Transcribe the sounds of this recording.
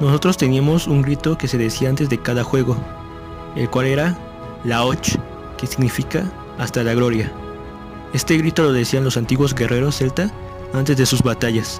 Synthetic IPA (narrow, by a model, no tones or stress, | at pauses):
no̞so̞t̪ɾo̞st̪e̞niamo̞suŋɡɾit̪o̞kese̞ðe̞siaant̪e̞zðekaðaxwe̞ɣo̞ | e̞̰lkwale̞ɾa | lao̞t͡ʃ | ke̞siɣnifika | ast̪alaɣɾo̞ɾja | e̞st̪e̞ɣɾit̪o̞lo̞ðe̞sianlo̞sant̪iɣwo̞zɡe̞rʔe̞ɾo̞sːe̞lt̪a | ant̪e̞zðesuzβat̪aʝas